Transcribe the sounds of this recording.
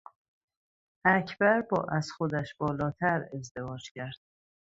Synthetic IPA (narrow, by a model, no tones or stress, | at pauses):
æcʰbæɾbɒ̰ːʔæzxod̪æʃb̥ɒːlɒːt̪ʰæɾe̞zd̪e̞vɒːd͡ʒcʰæɾd̪̥̚